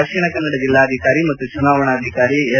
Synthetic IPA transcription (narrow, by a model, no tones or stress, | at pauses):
ɐkʂiɳɐkɐnːɐɽɐd͡ʒilːaːɐd̪ʱikaːɾimɐt̪ːut͡ʃunaːʋɐɳɐːd̪ʱikaːɾiɐ